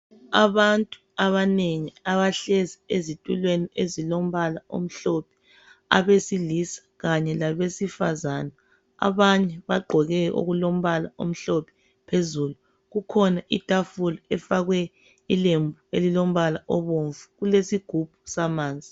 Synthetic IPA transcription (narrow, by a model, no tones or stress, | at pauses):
a̰βantʼu | aβaneŋiaβaɬɛziezitʼulweniezilom̩βalao̰m̩ɬɔpʰɛ̥ | a̰βesilisḁɣaɲɛlaβesifazanɛ | a̰βaɲɛβaɡ͡ǃʱɔɣɛʔṵɣulom̩βalao̰m̩ɬɔpʰɛ̥ | pʰezulu | ɣukʰɔnaʔḭtʼafulɔɛfaɣwɛ | ilembʱuelilom̩βalaʔɔβoɱvuɣulesiɡ̥ʱub̥ʱu̥samaːnd͡zʱi